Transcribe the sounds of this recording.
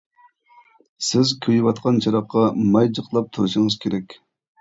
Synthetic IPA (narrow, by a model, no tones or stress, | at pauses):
sɪzkʲʰøjwɑt̪qʰɑnt͡ʃʰɑɾɑqːɑmɑjd͡ʒəqlˠɑp̚t̪ʰuɾɨʃəŋɨzkʲʰeɾɛkʲ